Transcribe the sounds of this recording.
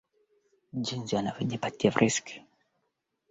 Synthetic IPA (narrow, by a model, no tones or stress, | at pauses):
d͡ʒinziwanavjɔʄipatiavɾʔiski̥